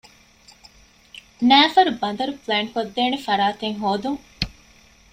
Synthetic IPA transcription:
næːfɐɾubɐn̆d̪ɐɾupleːnkod̪ːeːnefɐɾaːt̪eŋɦoːd̪uŋ

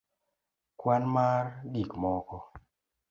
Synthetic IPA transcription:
kwanmaɾɗikmɔkɔ

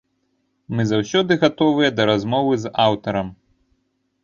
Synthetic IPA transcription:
mɨzawsʲɔd̪ɨɣat̪ɔvɨjɛd̪ɐɾazmɔvɨzawt̪ɐɾɐm

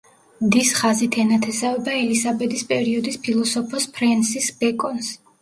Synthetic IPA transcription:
md̪isχazit̪ʰɛnat̪ʰɛsavɛbaɛlizabɛd̪ispʼɛɾiɔd̪ispʰilˠɔsɔpʰɔspʰɾɛnsisbɛkʼɔns

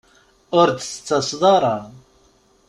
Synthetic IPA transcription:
ʊɾd̪t͡st͡sːɑsˤðˤɑɾˤɑ

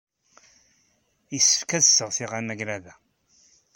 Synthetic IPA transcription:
jisə̥fkæðsːəʁθiʁanæɡɾæðæ

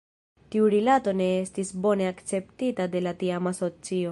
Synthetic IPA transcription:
tiuɾilato̞ne̞estisbo̞ne̞akt͡se̞ptitade̞latiamaso̞t͡sio̞

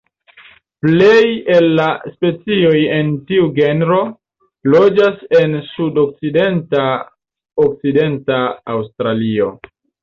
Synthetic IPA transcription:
ple̞je̞lːaspe̞t͡sio̞je̞ntiuɡe̞nɾo̞ | lo̞d͡ʒase̞nsudok̚t͡side̞nta | ok̚t͡side̞ntaːwstɾalio̞̰

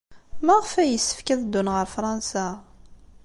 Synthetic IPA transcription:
mæʁəfæjəsːə̥fkæðəd̪ːunʁəɾfɾˤɑnsa

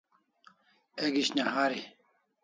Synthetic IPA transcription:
eɡiɕnaɦaːɾi

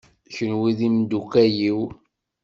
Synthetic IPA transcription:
çənwiðimd̪ukæjiw

